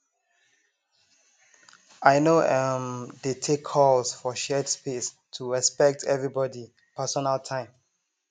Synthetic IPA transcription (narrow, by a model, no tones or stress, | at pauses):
ajnoʔɛmdetʰekʰːɔlsfɔʃɛdspes | tʰuɹɛspɛk̚tʰɛvɹibɔdi | pʰɛsɔnaltʰãɪ̃m